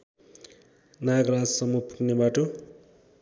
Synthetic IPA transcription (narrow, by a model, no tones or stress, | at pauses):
naɡɾad͡zsʌmupuknebaʈo